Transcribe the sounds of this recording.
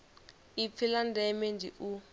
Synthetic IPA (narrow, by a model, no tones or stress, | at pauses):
ip̪fʰilandɛmend͡ʒʱḭʔu